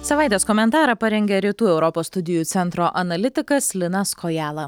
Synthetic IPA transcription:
sɐʋɑˑɪt̪ʲeːskɔmʲɛnt̪ɑːɾɐpɐɾʲɛŋʲɡʲɛɾʲiːt̪uːɛʊɾɔpoːsst̪ʊd̪ʲɪjuːt̪sʲɛnt̪ɾoːʔɐnɐlʲɪt̪ʲɪkɐslʲɪnɑskɔjæːlˠɐ

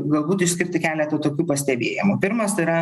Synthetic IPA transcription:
ɡɐlˠbuːt̪ɪʃsʲkʲɪɾʲt̪ʲɪkʲæːlʲɛt̪ɐt̪oːkʲuːpɐsʲt̪ʲɛbʲeːjɪmupʲɪɾmɐsɪɾɐ

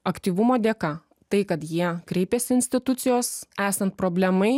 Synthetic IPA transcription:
ɐkt̪ʲiːʋʊmoːd̪ʲeːkɑ | t̪ɐɪkɐt̪jiɛkɾʲɛɪpʲeːsʲɪɪnʲsʲt̪ʲɪt̪ʊt̪sʲɪjoːsæːsɐnt̪̚pɾoːbʲlʲɛmɐɪ

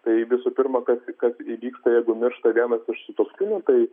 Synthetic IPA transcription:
t̪ɐɪʋʲɪsuːpʲɪrmɐkɐskɐsiʋʲiːkst̪ɐjɛɪɡʊmʲɪɾʃt̪ɐʋʲiɛnɐsɪʃsʊt̪oːpsʲkʲʊnʲʊt̪ɐɪ

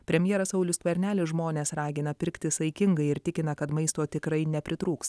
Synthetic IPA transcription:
pʲɾʲɛmʲjɛːɾɐsɐʊlʲʊst̪ʋʲɐɾʲnʲæːlʲɪʒmoːnʲeːsɾɑːɡʲɪnɐpʲɪɾʲkt̪ʲɪsɐɪkʲɪŋɡɐɪɪɾt̪ʲɪkʲɪnɐkɐt̪mɐɪst̪oːt̪ʲɪkɾɐɪnʲɛpʲɾʲɪt̪ɾuːks

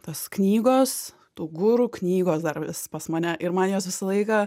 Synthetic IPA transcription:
t̪oːsknʲiːɡoːs | t̪uːɡʊɾuːknʲiːɡoːsd̪ɐrʋʲɪspɐsmɐːnʲɛʔɪɾmɐnjoːsʋʲɪsɐlˠɐɪkɐ

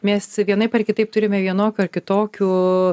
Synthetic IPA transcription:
mʲɛsʋʲiɛnɐɪpɐrkʲɪt̪ɐɪp̚t̪ʊɾʲɪmʲɛʋʲiɛnoːkʲuːɐrkʲɪt̪oːkʲuː

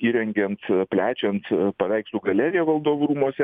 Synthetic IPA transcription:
iːɾʲɛŋʲɡʲɛnt̪pʲlʲæːt͡ʃʲɛnt̪pɐʋʲɛɪksʊɡɐlʲɛɾʲɪjɛʋɐlˠd̪oːʋʊɾuːmuɔsʲɛ

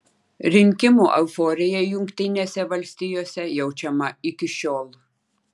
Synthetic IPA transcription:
ɾʲɪŋʲkʲɪmuːʔɛʊfoːɾʲɪjɛjʊŋʲkt̪ʲɪnʲeːsʲɛʋɐlʲsʲt̪ʲɪjoːsʲɛjɛʊt͡ʃʲɛmɐɪkʲɪʃʲoːlˠ

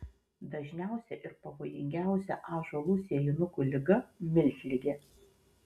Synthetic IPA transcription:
d̪ɐʒʲnʲæˑʊsʲɛʔɪɾpɐʋoːjɪŋʲɡʲæˑʊsʲɛʔɑːʒoːlˠʊsʲɪjɛjɪnʊkuːlʲɪɡɐmʲɪlʲxʲlʲɪɡʲeː

